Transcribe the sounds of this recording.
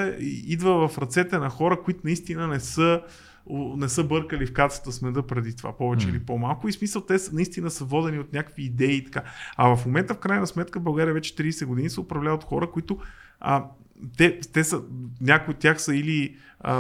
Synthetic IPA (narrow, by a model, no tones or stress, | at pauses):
ɛiid̪vəvɐfɾɐt̪sɛt̪ɛnɐxɔɾəkʊit̪ʊnɐist̪inənɛsɤ | onɛsɤbɤɾkəlifkat̪sə̥t̪əsmɛd̪ɤpɾɛd̪it̪ova̰pɔvɛt͡ʃɛḭlipomalˠkʊismisəlˠt̪ɛsnɐist̪inəsəvɔd̪ɛniot̪nʲakəkviːd̪ɛiːt̪ɐ̥kaɐvɐfmomɛnt̪əfkɾajnɐsmɛt̪kəbɐlˠɡaɾʲiəvɛt͡ʃɛ̥t̪ɾiːsɛɡʊd̪inisɛʊpɾɐvlʲavət̪xɔɾəkʊit̪ʊ | ə | t̪ɛt̪ɛsənʲakʊjot̪ʲjaxsəili | ə